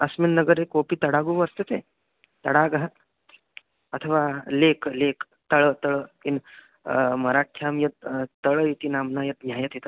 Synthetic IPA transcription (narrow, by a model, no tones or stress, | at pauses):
ɐsminːɐɡəɾekopiːt̪ɐɽaɡuʋəst̪et̪e | t̪ɐɽaɡəɦə | ɐt̪ʰəʋaleklek | t̪əɭət̪əɭəkin | mɐɾakʰjamjɐt̪̚t̪əɭəit̪inamnajɐt̪̚njajət̪it̪ə